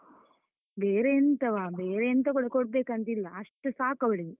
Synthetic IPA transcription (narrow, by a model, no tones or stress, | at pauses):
beːɾent̪ɐʋaːbeːɾeɐnt̪ɐkuɽɐkoɽ̚beːkɐnt̪ilːɐɐʂʈusaːkɐʋɐɭi